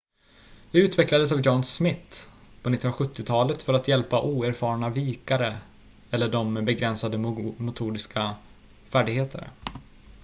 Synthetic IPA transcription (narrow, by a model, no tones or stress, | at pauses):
vaʉ̟ːt̪vɛklad̪əsavjɔnsmɪt̪ːpʰɔnɪt̪ːaɧɵt̪ːɪt̪ʰɑːlət̪fœɾat̪jɛlpaʔuːeɾfɑːɾɳaviːkaɾə | ɛlːəɖɔmbɛɡɾɛnsad̪əmʊt̪ʰuːɾɪskʰa | fæːɖɪɡheːt̪ʰə̰ɾ